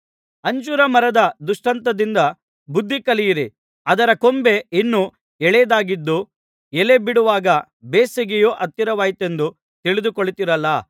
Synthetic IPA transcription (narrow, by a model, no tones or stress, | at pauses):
ɐɲd͡ʒuːɾɐmɐɾɐd̪ɐd̪uʂʈɐnt̪ɐd̪ind̪ɐ | bud̪ʱːikɐlijiɾi | ɐd̪ɐɾɐkombe̞inːu | ɛɭɛjɐd̪aːɡid̪ːu | ɛle̞biɽuʋaːɡɐ | beːseɡejoːʔɐt̪ːjiɾɐʋaːjit̪e̞nd̪u | t̪iɭid̪ukoɭit̪iɾɐlːɐ